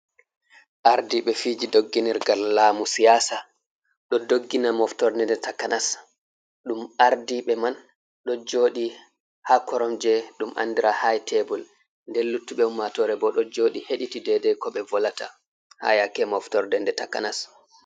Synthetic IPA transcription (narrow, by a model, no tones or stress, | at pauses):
ʔaɾdiɓɛfid͡ʒidoɡːiniɾɡalːaːmusijaːsa | ɗɔdoɡːinamɔftɔɾdɛndɛtakːanas | ɗumaɾdiɓɛman | ɗɔd͡ʒoːɗi | hakɔɾɔmd͡ʒɛɗumʔa̰ndiɾahajtʰɛbul | ndɛlːutːuɓɛumːatɔɾɛbɔɗɔd͡ʒoːɗiheɗitidɛdɛkɔɓɛvɔlata | ha̰jakɛmɔftɔɾdɛndɛtaka̰nas